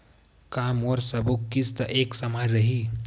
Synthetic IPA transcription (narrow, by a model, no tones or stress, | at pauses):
kamoɾsəbukːist̪əʔeksəmad͡ʒɾəɦi